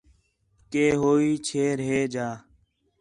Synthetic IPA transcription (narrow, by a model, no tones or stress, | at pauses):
keːɦoːiːt͡ʃʰeːɾɦeːd͡ʒaː